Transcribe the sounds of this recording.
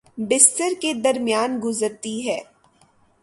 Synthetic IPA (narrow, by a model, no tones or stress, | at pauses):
bɪst̪əɾked̪ɐɾmijaːnɡʊzəɾt̪iɦɛː